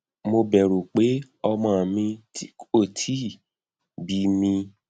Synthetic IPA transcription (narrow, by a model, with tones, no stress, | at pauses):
mo˧bɛ˨ɾu˨k͡pe˨˦ | ɔ˧mãː˦˨mĩ˧ti˦ko˦˨tʰi˨˦˨ | bi˨˦mĩ˧